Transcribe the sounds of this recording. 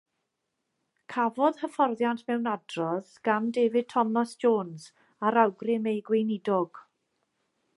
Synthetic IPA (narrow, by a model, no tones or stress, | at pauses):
kʰavɔð̥həfɔrðjantʰmɛwnadrɔðɡ̥amdeːvɪd̚tʰɔmasd͡ʒoːnz | aɾawɡrɪmejɡwejnɪdɔɡ̥